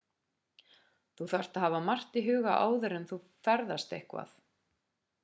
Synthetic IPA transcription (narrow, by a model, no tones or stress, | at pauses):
θuθar̥t̪aðhaːvamar̥t̪iɦʏːɣaʔa̰ːwðʏɾɛmθu | fɛɾðast̪ḛhkva̰θ